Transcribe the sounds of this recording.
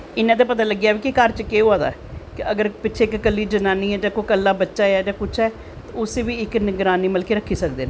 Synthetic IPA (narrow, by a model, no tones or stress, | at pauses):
ɪnːãːt̪̬eːpət̪aːləɡːjaːʋiːkɪkəɾt͡ʃkeːoaːd̪a̰ːɛkɪəɡəɾpɪːt͡ʃʰeːɪkkəlːiːd͡ʒənaːniːɛːd͡ʒãːkokəlːaːbətːʃaːjɛːd͡ʒãːkʊt͡ʃʰɛː | t̪ːʊseːʋiːɪknɪɡɾaːniːməlkeːɾəkʰːiːsəkd̪eːnː